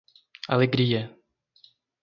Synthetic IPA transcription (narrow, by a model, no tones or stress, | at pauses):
ʔalɛɡɾijɛ